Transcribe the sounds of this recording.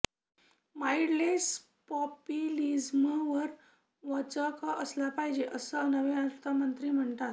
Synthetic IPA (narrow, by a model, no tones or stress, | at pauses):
maiɽles | pɔpjilid͡zmʋəɾ | ʋət͡səkaʔəslapaɦid͡ʑeʔəsənəʋẽat̪əmənt̪ɾiːm̤əɳt̪at̪